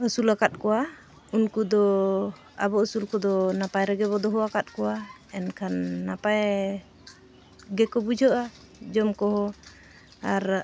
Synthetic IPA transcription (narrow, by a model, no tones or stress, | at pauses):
əsulakat̪̚kɔwa | unkud̪ɔ | a̰bɔəsulkɔd̪ɔnapajɾɛɡɛβɔd̪ɔɦɔwakat̪̚kɔwa | ɛnkʰanːapaj | ɡɛkɔbud͡ʒʱɔʔa | d͡ʒɔmkɔɦɔ | aɾ